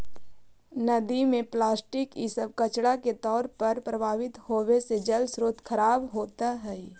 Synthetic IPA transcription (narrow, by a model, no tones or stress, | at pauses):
nɐd̪imẽplaːsʈɪkisəb̚kət͡ʃɽaket̪ɔːɾpɐɾpɾəbʱaːʋɪt̪hoːʋesed͡ʒəlsɾoːt̪kʰəɾaːbɦoːt̪aɦɛ